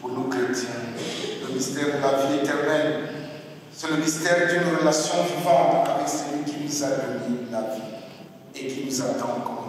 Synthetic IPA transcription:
puʁnokχet̪jɛ̃ləmist̪ɛʁd̪əlaviɛt̪ɛʁmɛl | sɛləmist̪ɛʁd̪ynʁəlasjɔ̃vivãt̪avɛksəlɥikʲinuzaʁəmilavi | ekinuzat̪ɑ̃kɔ

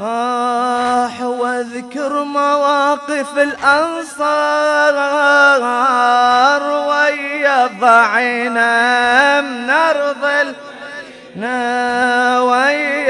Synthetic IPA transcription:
ɾˤɑ | ħwaðkʊɾmawɑːqɪfɪlʔɑnsˤɑːɾˤ | ɾˤwajaðˤɑʕiːna | mnɑɾðˤɨl | na | waj

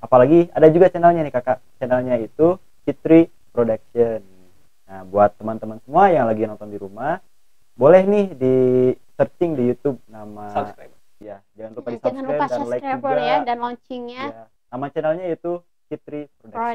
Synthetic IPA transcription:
ʔapalaɡiadad͡ʒuɡat͡ʃɛnalɲanɪhkakat͡ʃɛnalɲait̪u | t͡ʃit̪ɾi | pɾodak̚ʃən | abuat̪ːəmant̪əmansəmuajaŋlaɡinɔnt̪ɔndiɾumah | bolɛhnɪhdisərt͡ʃɪŋdijut̪ub̚namaasɾa | jad͡ʒaŋanlupadisakajadnlaiaɾadanlɔɲt͡ʃiŋɲaa | namat͡ʃɛnalɲaat̪u | t͡ʃit̪ɾipɾod

